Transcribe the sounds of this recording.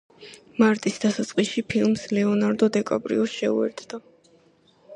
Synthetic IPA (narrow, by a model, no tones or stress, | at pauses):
maɾt̪ʼisd̪asat̪sʼqʼiʃipʰilˠmslɛɔnaɾd̪ɔd̪ɛkʼa̰pʼɾḭɔsʃɛṵɛ̰ɾt̪ʰd̪a